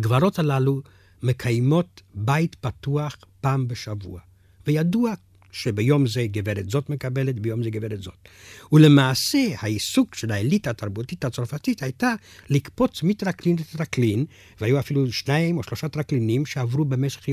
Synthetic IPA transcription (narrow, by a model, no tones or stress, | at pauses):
ɡvaɾo̞thalalu | me̞kʰajmo̞tbajtpatuaχpaːmbeʃavṵa | vejadua | ʃebejo̞mzeɡeveɾetzo̞tmekabe̞letbejo̞mzeɡeveɾetzo̞tule̞maːse̞haisukʃelaelitaːtaʁbutithat͡soɾfatithajta | likpo̞t͡smitʁaklinletɾaklin | vehajuafiluʃnaimo̞ʃlo̞ʃat̪ɾaklinimʃeavʁube̞meʃe̥χj